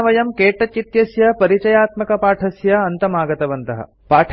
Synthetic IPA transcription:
ɐʋɐjɐmkeːʈɐt͡ʃit̪jɐsjɐpɐɾit͡ʃɐjaːt̪mɐkɐpaːʈʰɐsjɐɐnt̪ɐmaːɡɐt̪ɐʋɐnt̪ɐɦɐ̰ | paːʈʰ

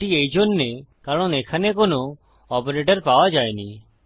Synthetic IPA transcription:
iejd͡ʒonːekaɾɽ̃õnekʰanek̬ono | ɔpɔɾeʈəɾpawad͡ʒaeni

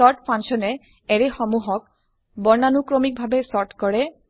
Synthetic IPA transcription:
ɔɹʈpʰãnsɔnɛ | ɛɹɛxɔmuɦɔk̚ | bɔɹnanukɹɔmik̚bʱabɛsɔɹʈkɔɹɛ

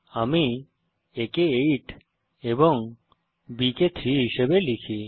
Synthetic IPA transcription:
ami | ekeejʈ | eboŋ | biket̪ʰɾiɦiʃebelikʰi

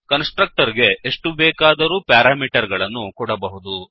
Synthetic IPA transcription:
kɐnsʈɾɐk̚ʈɐɾɡe̞eʂʈubɛːkaːd̪ɐɾuːpaːɾaːmiːʈɐɾɡɐɭɐnːukɔɽɐbɐɦud̪u

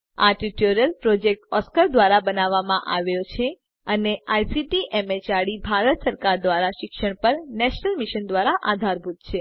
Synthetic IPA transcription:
a̰ʈiʈoɾijəlpɾɔd͡ʒek̚ʈɔskəɾd̪ʋaɾabənaʋːamãʔaʋjot͡ʃʰe | əneajsiʈiʔemet͡ʃaɽibʱaɾət̪səɾkaɾd̪ʋaɾaʃɪkʃəɳ̃pəɾnɛʃnəlmiʃənd̪ʋaɾaʔad̪ʱaɾbʱut̪t͡ʃʰe

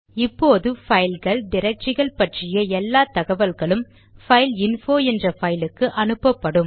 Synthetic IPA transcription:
ɪpːoːðɯfɐɪlɣɐɭɖɪɾɐk̚t͡ʃɪɣɐɭpɐʈrɪjɐɛlːaːt̪ɐɣɐʋɐlɣɐɭɯm | fɐɪlɪnfoːɛndrɐfɐjlɯkːɯʔɐnɯpːɐpːɐɽɯm

